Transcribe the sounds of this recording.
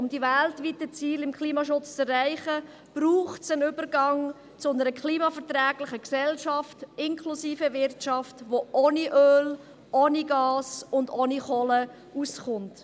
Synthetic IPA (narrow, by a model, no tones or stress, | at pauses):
ʊmd̥iʋɛltʋitət͡siːlɪmkχliːmɑʃʊt͡st͡sɛræɪχə | b̥ɾuːχtsənʏbəɾɡɑŋ | t͡sʊʊnəɾəkχliːmɑfɛɾtɾɛːɡlɪχəksɛlʃɑftɪnkʰlusiːfəʋɪrtʃɑftʋoʔoːniʔøːl | ʔoːniɡɑːsʊndoːniχɔlə | usχʊnt